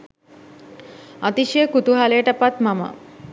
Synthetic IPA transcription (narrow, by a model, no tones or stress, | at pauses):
at̪iʃiekut̪uɦaleeʈapat̪mama̰